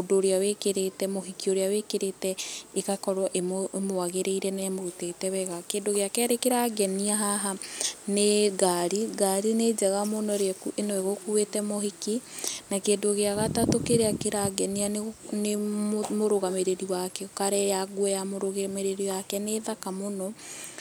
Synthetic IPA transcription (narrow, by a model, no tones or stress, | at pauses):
odoːɾeawekeɾetɛmoɦikioɾeawekeɾetɛekakɔɾwɔʔemoemoaɣeɾʔeiɾɛnɛmotetɛβɛɣakeːdoɣeakɛɾekeɾaɡɛniaɦaɦaneɡaɾiɡaɾined͡ʒɛɣamonɔɾekuʔenɔeɣokuwetɛmohikinakeːndoɣeaɣatatokeɾeakeɾaɡɛniannemoɾoɣameɾeɾiwakɛkaɾɛjaɡwɔjamoɾoɣemeɾeɾiwakɛneðakamonɔ